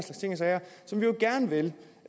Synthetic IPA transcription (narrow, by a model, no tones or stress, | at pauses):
slɑ̈ɡ̥st͡sʰe̝ŋɐsɛɪɐsɒ̽mʋioɡ̥æɐnəʋel